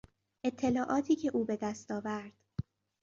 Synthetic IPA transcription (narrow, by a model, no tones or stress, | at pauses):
e̞t̪ʰːe̞lɒːʔɒːt̪ʰiːcʰe̞ʔuːbe̞d̪æst̪ɒːvæɾd̪̥